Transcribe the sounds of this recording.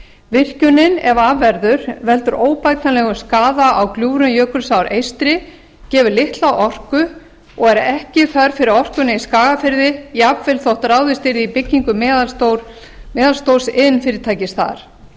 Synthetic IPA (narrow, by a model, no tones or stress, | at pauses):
vɪr̥cʏnɪnɛvaːvɛɾðʏɾvɛlt̪ʏɾʔoːwpajt̪̚nalɛɣʏskaːðaʔawkljuːɾʏnjœːkʏɾsawɾejst̪ɾɪ | cɛːvʏɾlɪht̪lawʔɔr̥kʏ | ɔɣɛɾɛhcɪfaɾ̥fɪɾɪɾɔr̥kʏnaiskaːɣafɪɾðɪjapvɪlθowht̪aɾaːwðɪst̪ɪɾðɪipɪcːiŋkʏm | mɛːðalst̪owsɪnfɪɾɪɾt̪ʰaːjcɪsθa̰ɾ̥